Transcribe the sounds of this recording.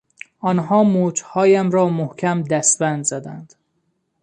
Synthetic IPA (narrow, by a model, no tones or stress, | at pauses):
ɒːnɦɒːmoːd͡ʒhɒːjæmɾɒːmohcʲʰæmd̪æst̪bænd̪zæd̪æ̰nd̪̥